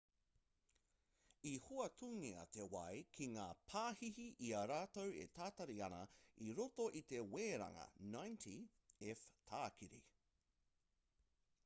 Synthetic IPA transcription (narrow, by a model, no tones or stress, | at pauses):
ihuɐtʰuːŋiɐ̰t̪ewɐjkʰiŋaːpʰaːhihiʔiɐɾaːtowḛtʰaːt̪ɐɾiɐnɐ̰iɾotoʔit̪e̞weːɾɐ̰ŋɐ̰najntʰi | ɛftʰaːkʰiɾḭ